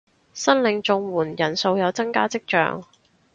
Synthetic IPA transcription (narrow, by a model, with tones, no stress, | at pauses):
sɐ˥nlɪ˨˧ŋt͡sʊ˧ŋwuː˨˩njɐ˨˩nso˧wjɐ˨˧wt͡sɐ˥ŋkaː˥t͡sɪ˥k̚t͡ʃœ̰ː˧ŋ